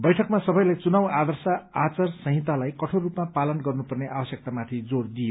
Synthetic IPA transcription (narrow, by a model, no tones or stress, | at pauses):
bʌjʈʰʌk̚masʌbʌjlajt͡sunawad̪ʌrsaat͡sarsʌ̃ɦit̪ːalajkʌʈʰorupmapalʌnɡʌrnupʌrneʔabʌsjʌk̚t̪amat̪ʰid͡zord̪ije